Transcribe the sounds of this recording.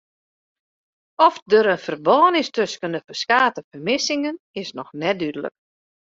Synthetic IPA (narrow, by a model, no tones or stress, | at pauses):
ɔfdəɾənfərbɔːnɪstɵskəndəfəskaːtəfərmɪsɪŋən | ɪsnɔxnɛdydələ̰k